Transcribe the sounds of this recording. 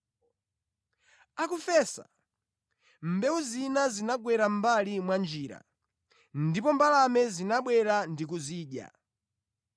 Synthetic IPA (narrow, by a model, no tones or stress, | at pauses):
akufɛsa̰ | m̩bɛuzinazinaɡwɛɾam̩balimwand͡ʒiːɾa̰ | ndipɔmbalamɛzinaɓwɛɾandikuziːɗja̰